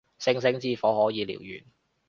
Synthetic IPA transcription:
sɪ˧ŋsɪ˨˧˥ŋt͡siː˧fɔː˨˥ɦɔː˨˥jiː˨˧lḭː˨˩wjy̰ː˨˩n

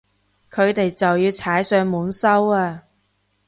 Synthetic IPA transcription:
kʰɵ˨˧ɥt̪e˨jt͡sɐ˨wjiː˧wt͡sʰaː˨˥jsœː˨˧ŋmuː˨˥nsɐ˥waː˧

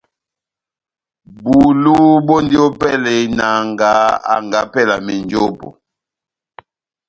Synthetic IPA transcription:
bu˨lu˦bo˦ndi˦ɔ˦pɛ˦lɛ˨na˨ŋɡa˨˦a̰˨ŋɡa˨˦pɛ˦˨la˨mi˨nd͡ʒo˦pɔ̰˨

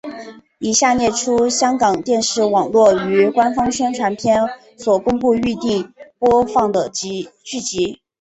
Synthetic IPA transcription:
i˨˩ɕja˥˧njɛ˥˩ʈ͡ʂʰu˥ɕjɑ˥ŋkɑ˨˩ŋt̪jɛ˥˧nʂɻ̩˥˩wɑ˨˩ŋlwɔ˥˩y˧˥kwa˥nfɑ˥ŋɕɥɛ˥nʈ͡ʂʰwa˧˥npʰjɛ˥˩n | swɔ˨˩kʊ˥ŋpu˥˧y˥˧t̪i˥˩ŋpwɔ˥fɑ˥˩ŋd̪ə˩˥t͡ɕy˥˩t͡ɕi˧˥

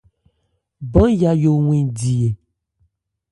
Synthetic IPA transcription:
bɔ̃˦ja˨jo˨ŋwĩ˨di˨e˨

